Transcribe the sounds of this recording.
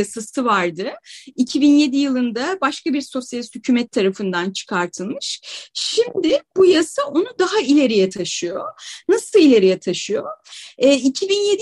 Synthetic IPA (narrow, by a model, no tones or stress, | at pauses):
asasɯvaɾd̪ɯicʰibinje̞d̪ijɯlˠɯnd̪abaʃkabiɾso̞sjalʲhycʰyːmɛt̪ʰːaɾafɯnd̪ant͡ʃʰɯ̥kʰaɾt̪ʰɯlˠmɯʃʃimd̪ɪb̥ujasaonud̪aɦailʲe̞ɾijɛt̪ʰaʃɯjonasɯlˠilʲe̞ɾijɛt̪ʰaʃɯjo̞ɛːicʰibinjed̪